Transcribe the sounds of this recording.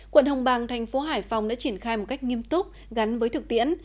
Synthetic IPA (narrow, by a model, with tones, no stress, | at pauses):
kwə˧˨nhə˧wŋ͡mɓaː˨˩ŋt̪ʰa˨˩jŋ̟fo˨˦ɦaː˧˩jfa˨˩wŋ͡mɗa̰ː˧˥t͡ɕi˧˩ənxaː˧jmo˨˩t̚ka˦˥jk̟̚ŋi˧əmt̪ʊ˦˥k͡p̚ | ɣa˨˦nvəː˨˦jt̪ʰɨ˨˩k̚t̪ḭ˧˥ən